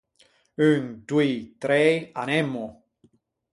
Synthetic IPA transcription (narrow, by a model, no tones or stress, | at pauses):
ynd̪wit̪ɾɛanɛmːo